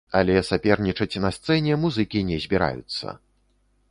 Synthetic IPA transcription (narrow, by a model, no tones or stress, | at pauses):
alʲɛsapʲɛrnʲit͡ʂɐt͡sʲnɐst̪sɛnʲɛmuzɨkʲinʲɛzʲbʲiɾa̰jṵt̪sːɐ̰